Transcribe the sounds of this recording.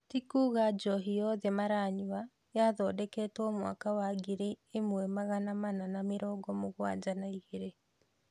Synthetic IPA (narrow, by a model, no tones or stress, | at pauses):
tikuːɣad͡ʒɔɦijɔðɛmaɾaːɲua | jaðɔdɛkɛtɔmwa̰kawaɡeɾeːmwɛmaɣanamananameɾɔːɡɔmoɣwa̰d͡ʒanaiɣeɾe